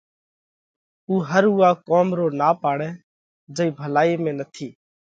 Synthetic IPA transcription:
uːɦəɾuːaːkoːmɾoːnaːpaːɽɛ̃ː | d͡ʒəiːbʱəlaːiːmẽːnət̪ʰiː

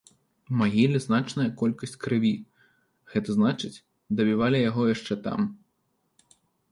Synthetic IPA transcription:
maɣʲilʲiznat͡ʂnɐjɐkɔlʲkɐsʲt͡sʲkɾɨvʲi | ɣɛt̪ɐznat͡ʂɨt͡sʲ | d̪ɐbʲivalʲijaɣɔjaʂt͡ʂɛt̪a̰m

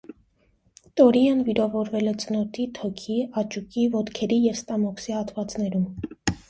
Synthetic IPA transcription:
t̪ɔɾiɑnviɾɑvɔɾvɛlɛt͡sənɔt̪ʰit̪ʰɔkʰiɑt͡ʃukivɔt̪kʰɛɾijɛvst̪ɑmɔksihɑt̪vɑt͡snɛɾum

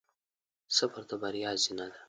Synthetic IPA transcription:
səpaɾt̪abaɾjɑːzinad̪a

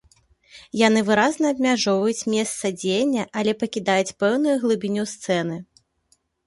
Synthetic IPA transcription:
janɨvɨɾaznɐːbʲmʲaʐɔvɐjut͡sʲmʲɛst̪sɐd͡zʲejnʲːɐʔɐlʲɛpɐkʲid̪ajut͡sʲpɛwnujuɣlˠɨbʲinʲust̪sɛnɨ

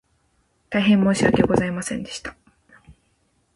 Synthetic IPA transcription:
t̪aiɦẽ̞mːoːɕiɡakeoɡo̞zaimasẽ̞nd̪e̞̥ɕi̥t̪ḁ

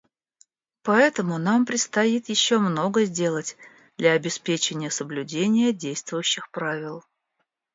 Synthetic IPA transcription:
pɐɛt̪əmʊnampɾʲɪt̪st̪ɐjit̪jɪɕːo̞mno̞ɡəzʲdʲe̞lˠətʲ | d̪lʲɐːbʲɪspʲet͡ɕɪnʲɪjəsəblʲʉdʲenʲɪjədʲejst̪vʊjʉɕːɪxpɾavʲɪlˠ

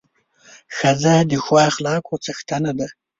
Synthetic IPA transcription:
xazad̪ixwaxlɑːkʰot͡saxt̪ʰanad̪a

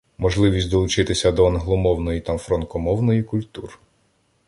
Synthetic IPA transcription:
mɔʒlˠɪʋʲisʲd̪ɔlˠʊt͡ʃɪt̪ɪsʲɐd̪ɔːnɦlˠɔmɔwnɔjit̪ɑmfɾɔnkɔmɔwnɔjikʊlʲt̪ur

